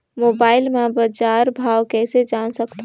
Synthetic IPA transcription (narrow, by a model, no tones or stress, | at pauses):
moːbaːɪlmẽbəd͡ʒaːɾbʱaːwkɛːsed͡ʒaːnsəkt̪ʰ